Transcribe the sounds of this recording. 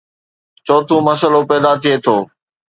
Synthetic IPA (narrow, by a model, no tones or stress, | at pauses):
t͡ʃɔːt̪ʰũmɐsəlopɛːd̪at̪ʰiet̪ʰoː